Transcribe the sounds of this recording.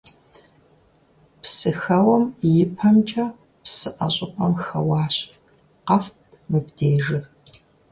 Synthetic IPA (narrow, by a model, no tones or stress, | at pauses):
psɨxɐwɐmjɪpʰɐmt͡ʃʼɐ | psɨʔɐ̰ɕʼɪqʷʼɐmxɐwɑːɕ | qɐftʰ | mɨbdeːʒɨr